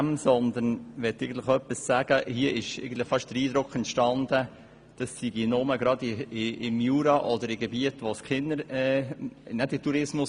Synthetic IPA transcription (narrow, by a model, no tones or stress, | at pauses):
msɔnd̪ənʋɛt̪ːɛɪɡən̩t̪ləχœpːissæːɡ̥əhiəʔɪʃḛɪɡən̩t̪lɪχfɑʃtd̥əɾiːd̥̪ɾʊkχɛntʃtɑnd̥̪ə | d̥ɑsːiɡinʊməɡɾɑd̪ɪɪɪmjuːɾɑʔɔdəɾɪɡebiətʋoskχɪnːəɾɛnɛtɪtuɾɪsmʊs